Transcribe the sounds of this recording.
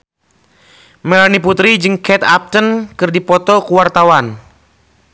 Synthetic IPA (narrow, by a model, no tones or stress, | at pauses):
mɛlaniput̪ɾid͡ʒɨŋkɛt̪a̰p̚t̪ənkɨrdipɔt̪ɔkuwart̪awan